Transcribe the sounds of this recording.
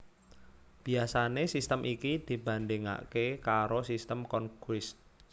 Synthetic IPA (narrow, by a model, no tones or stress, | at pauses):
b̥i̤asanesist̪əmʔikid̪̥i̤b̥a̤ndeŋa̰kekaɾosist̪əmkɔnkwɪs